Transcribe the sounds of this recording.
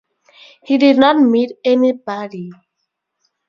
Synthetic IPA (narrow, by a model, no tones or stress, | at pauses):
hididnɔt̚mitɛnibɔɾi